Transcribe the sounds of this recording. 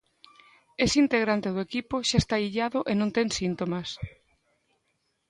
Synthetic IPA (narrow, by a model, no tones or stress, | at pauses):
esint̪eɣɾant̪eðʊekipoʃaest̪aiʎaðʊʔenõnt̪eŋsint̪omas